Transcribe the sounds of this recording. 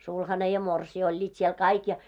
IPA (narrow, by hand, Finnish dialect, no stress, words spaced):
sulhɑne jɑ morsiː olʲːiːt siel kɑik jɑ